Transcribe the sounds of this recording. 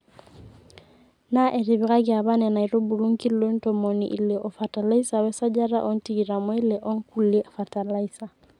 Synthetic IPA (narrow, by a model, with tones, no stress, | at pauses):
na˦ʔɛ˨ɾi˨βiɣa˦ɡia˨βa˦nɛna˨i˨ɾo˦bu˨lu˦ŋki˦lo˦ntɔmɔnḭʔi˨lɛʔɔ˨fata˨la˦isawɛ˦sa˦d͡ʒa˦ɾa̰˦ʔɔ˦nti˦ɡi˨ɾamɔ˦i˦lɛʔɔ˦ŋkulːɛ˦fata˨laisa˨